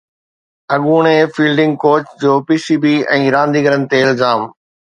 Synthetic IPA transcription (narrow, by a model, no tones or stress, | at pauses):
ɐɠuːɽ̃efiːlɖɪ̃ŋɡ̚koːt͡ɕd͡ʑoːpiːsiːbiːɛ̃ːɾãːnd̪iːɡəɾənɪ̆t̪eɪlzaːm